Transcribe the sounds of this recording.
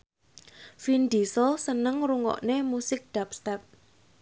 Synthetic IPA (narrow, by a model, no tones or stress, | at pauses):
find̪isɔlsənəŋɾuŋɔ̰ʔnemusɪk̚ɖ̪̥ap̚st̪ɛp̚